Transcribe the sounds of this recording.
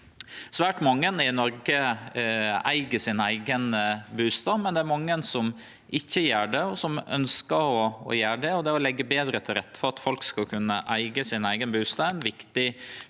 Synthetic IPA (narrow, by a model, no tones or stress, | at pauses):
sʋæːʈmɑŋːənɪnɔɾɡə | æ̰ɪɡəsɪnæɪɡənbʉːst̪ɑːmɛnd̪ɛæɾmɑŋːənsɔm | ʔɪçːəjæːɖɛɔsɔmœ̰nskəɾɔɔ̰jæːɖɛɔd̪ɛɔlɛɡːəbeːd̪ɾət̪ʰɪlɾɛt̪ːə̥fɔɾɑt̪fɔlkskɑlkʰʉnːəʔæɪɡəsɪnæɪɡənbʉːst̪ɑːɛnʋɪkt̪ɪ